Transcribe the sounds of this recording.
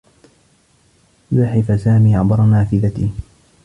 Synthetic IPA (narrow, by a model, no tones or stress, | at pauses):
zaħɪfasaːmiːʔaʕbɑɾˤɑnaːfɪðat̪iː